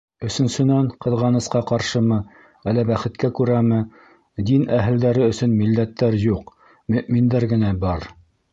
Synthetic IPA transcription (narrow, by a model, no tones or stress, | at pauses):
ɵ̆sɵ̆nsɵ̆næɴqɤ̆ðʁɑnɤ̆sqɑqɑɾʃɤmɤ | ælːæbæχɘ̆t̪kækʉɾæmɘ | d̪inæɦɘ̆ld̪æɾɘɵ̆sɵnmilːæt̪ːæɾjuq | mɵ̆ʔmind̪æɾɡɘ̆næbɑɾ